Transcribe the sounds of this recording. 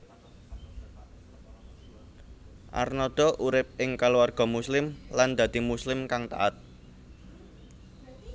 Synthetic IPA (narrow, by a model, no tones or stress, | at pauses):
ʔa̰rnɔd̪̥ɔ̤ʔuɾɪp̚ɪŋkaluwarɡ̥ɔ̤muslɪmland̪̥ä̤d̪̥i̤muslɪmkaŋt̪a̰ʔat̪̚